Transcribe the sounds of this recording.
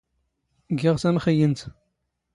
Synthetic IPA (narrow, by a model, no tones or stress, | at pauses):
ɡːɪʁsæmχəjənt̪